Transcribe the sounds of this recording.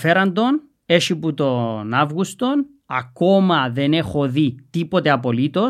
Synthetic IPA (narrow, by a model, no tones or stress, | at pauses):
feɾɐnd̪o̞n | eʃiput̪onavɣust̪o̞n | ɐ̰komɐðenexoðit̪ipot̪eɐpolit̪o̞